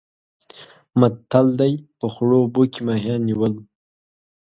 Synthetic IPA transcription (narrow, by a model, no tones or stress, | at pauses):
mat̪ːald̪ajpəxɽobokimaɦjɑnːiwəl